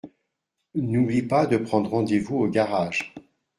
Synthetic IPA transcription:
nublipad̪əpχɑ̃d̪ʁɑ̃d̪evuoɡaʁaːʒ

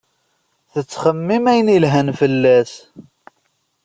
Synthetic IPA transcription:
θət͡sːχəmːimæjənilɦænfəlːæs

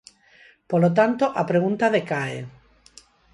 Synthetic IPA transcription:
polot̪̬ant̪oʔapɾeɣ̞unt̪aðekaḛ

